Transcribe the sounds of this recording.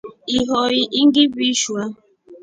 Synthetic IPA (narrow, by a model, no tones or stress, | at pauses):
iɦɔɣiʔiŋ̩ɡɪbiʃua